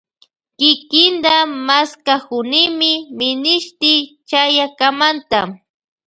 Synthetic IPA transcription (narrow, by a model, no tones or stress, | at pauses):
kɪkɪnd̪amaskahʊnɪmɪmɪnɪʃt̪ɪt͡ʃajakamant̪a